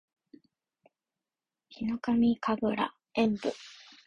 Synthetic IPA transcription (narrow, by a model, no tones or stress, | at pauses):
çino̞kamʲikabɯ̟ɾa̰ | ẽ̞mbo